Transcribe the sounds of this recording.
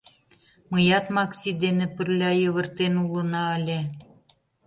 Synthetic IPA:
mɤjɑt̪mɑksid̪enĕpə̆rlʲɑjə̆βə̆rt̪enulə̆nɑəlʲe

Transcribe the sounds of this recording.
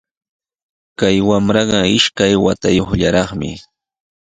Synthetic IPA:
kajwamɾɑɢɑɪʃkajwat̪ajoχʎaɾɑχmɪ̰

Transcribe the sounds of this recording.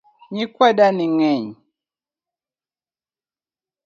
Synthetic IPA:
ɲikwɛdaniŋɛɲ

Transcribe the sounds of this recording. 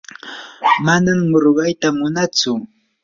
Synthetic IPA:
manamːʊɾɢɑjt̪amʊnat͡sʊ

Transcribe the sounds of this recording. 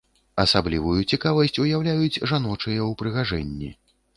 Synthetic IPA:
ɐsablʲivujut͡sʲikavɐsʲt͡sʲujawlʲajud͡zʲʐan̪ɔt͡ʂɨjɛwpɾɨɣaʐɛ̰nʲːi

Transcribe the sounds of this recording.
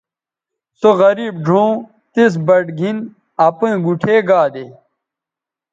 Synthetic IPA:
soɣɐɾiːbɖʱõː | t̪is̬bɐʈɡʱin | ɐpẽːɡuʈʰeːɡaːd̪e

